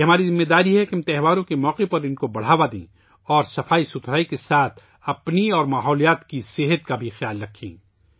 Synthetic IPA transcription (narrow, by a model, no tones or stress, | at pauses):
eɦɐmaːɾizɪmːed̪aːɾiɦɛkɐmt̪ɛɦʋaːɾõkemɔːqepɐɾɪnkobɐɽ̤aːʋad̪ḭ̃ː | ɔːɾsɐfaːisʊt̪ʰɾaːikesaːt̪ʰ | ɐpniɔːɾmaːɦɔːlijaːt̪kiseɦət̪kabʱixjaːlɾɐkʰːĩː